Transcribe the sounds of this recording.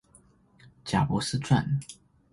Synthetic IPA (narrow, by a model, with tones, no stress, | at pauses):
t͡ɕja˨˩pwɔ˧˥sɹ̩˦t͡swa̰˥˨n